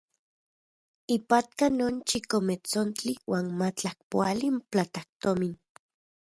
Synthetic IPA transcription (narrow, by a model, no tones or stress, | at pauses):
ipat̪̚kanoːnt͡ʃikomet͡sont͡ɬiwaːnmat͡ɬahpoalimplat̪ak̚t̪omin